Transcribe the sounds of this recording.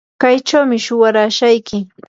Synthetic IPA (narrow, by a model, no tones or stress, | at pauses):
kajt͡ʃawmɪʃʊwaɾaːʃajkɪ